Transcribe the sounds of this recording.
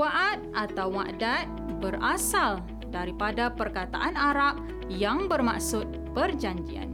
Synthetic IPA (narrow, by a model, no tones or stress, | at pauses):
aʔat̪̚at̪awma̰ʔdat̪̚bərasal | daɾipadapərkat̪aʔanaɾap̚ | jaŋbərma̰ʔsʊt̪̚pərd͡ʒaɲd͡ʒia̰n